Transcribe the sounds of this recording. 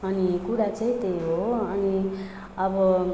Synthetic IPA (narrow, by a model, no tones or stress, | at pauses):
ʌnikuɽat͡sʌ̃ĩt̪ejɦoʌni | ʌbʌ